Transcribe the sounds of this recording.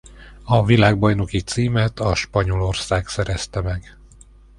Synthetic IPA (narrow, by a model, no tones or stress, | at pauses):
ɒvilaːɡ̚bojno̞kit̪siːmɛt̪ʰɒʃpɒɲo̞lo̞rsaːksɛɾɛst̪ɛmɛɡ